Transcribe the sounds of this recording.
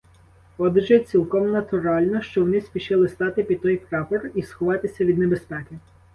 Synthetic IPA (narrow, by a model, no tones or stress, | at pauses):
ɔd̪ɪʒɛt͡sʲilˠkɔmnɐt̪ʊɾɑlʲnɔʃt͡ʃɔwɔnɪsʲpʲiʃɪlˠɪst̪ɑt̪ɪpʲid̪̚t̪ɔjpɾɑpɔrisxɔʋɑt̪ɪsʲɐʋʲid̪nebespɛkɪ